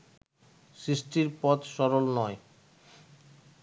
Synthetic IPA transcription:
sɾisʈiɾpɔt̪ʃɔɾolnɔe

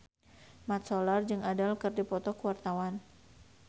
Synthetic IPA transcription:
mat̪̚sɔlard͡ʒɨŋadalkərdipɔt̪ɔkəwart̪awan

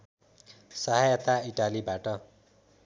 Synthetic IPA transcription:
sʌɦajʌt̪aiʈalibaʈʌ

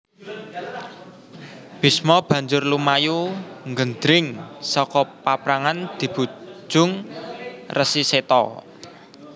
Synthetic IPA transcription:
b̥i̤smɔb̥ä̤ɲd͡ʒʊrlumajuŋɡənd̪ɾɪŋsɔkɔpapɾaŋand̪̥i̤b̥ṳ̥d͡ʒʒ̥ʊ̤ŋ | rʔəsiset̪ɔ̰

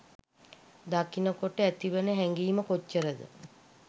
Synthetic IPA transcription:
d̪akinəkoʈəæt̪iʋənəɦɛŋɡiːməkot͡ʃːəɾəd̪ə̰

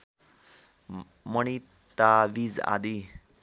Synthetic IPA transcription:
mʌni | t̪aʋid͡za̰d̪i

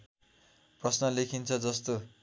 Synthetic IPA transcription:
prʌsnʌlekʰint͡sʰʌd͡zʌst̪o

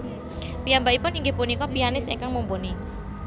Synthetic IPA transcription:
pijambaʔipʊniŋɡepunikɔpianɪsḛŋkaŋmumpuni

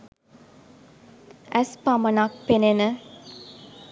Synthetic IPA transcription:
æspamənak̚penenə

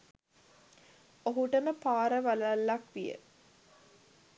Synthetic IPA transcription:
oɦuʈənəpaːɾəʋalalːakʋijə̰

